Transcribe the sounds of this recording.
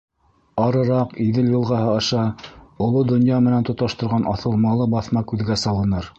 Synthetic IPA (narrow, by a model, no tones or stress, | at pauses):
ɑɾɤ̆ɾɑqiðɘljɤ̆lˠʁɑhɤɑʃɑŏlˠod̪ŏnjɑmɘ̆nænt̪ŏt̪ɑʃt̪ŏɾʁɑnʔɑθɤ̆lˠmɑlˠɤbɑθmɑkʉðɡæsɑlˠɤ̆nɤɾ